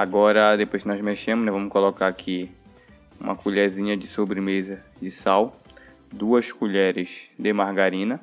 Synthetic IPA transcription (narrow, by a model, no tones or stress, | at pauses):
aɡɔɾɐd̪epojskɪnɔzmeʃẽmʊnɛvɐ̃mʊkolokaɾakʰi | ṵ̃mɐkuʎɛɾzĩɲɐd͡ʒɪsobɾɪmezɐ | d͡ʒɪsaw | d̪uɐskuʎɛɾɪzd̪ɪmahɡaɾĩnɐ